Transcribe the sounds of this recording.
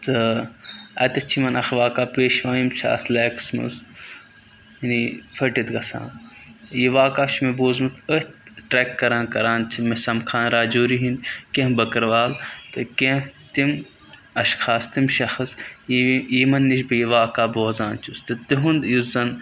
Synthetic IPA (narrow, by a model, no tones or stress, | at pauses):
t̪ɨ | ɐ̰t̪ɐt͡ʃʰimɐnɐxʋaːkaːpeːʃʋãːjimt͡ʃʰa̰ːt̪ʰlɛːksmɐ̰z | inifʰɐʈit̪ɡɐsã̰ːjiʋaːkaːt͡ʃmeboːzmɨt̪ət̪ʈɾɛːkːɐɾãːnkɐɾãːnt͡ʃʰimesɐmkʰaːnɾaːd͡ʒoːɾiɦinkẽbɐkɐɾʋaːlt̪ɨkẽt̪im | ɐʃxʰaːst̪imʃɐxɐs | jimɐnːiʃbɨjiʋaːkaːboːzaːnt͡ʃust̪ɨt̪iɦund̪juzɐn